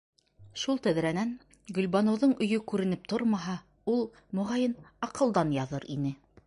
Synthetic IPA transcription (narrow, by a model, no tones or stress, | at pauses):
ʃulˠt̪æðɾænæn | ɡɵ̆lʲbɑnŏwðɤɴɵ̆jɵkʉɾɘ̆nɘp̚t̪oɾmɑɦɑ | ulˠ | mŏʁɑjɤnɑqɤ̆lˠd̪ɑnjɑðɤɾinɘ